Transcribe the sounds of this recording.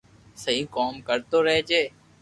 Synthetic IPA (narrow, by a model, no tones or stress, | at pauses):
səɦĩːkoːmkəɾt̪oːɾɛɦd͡ʒeː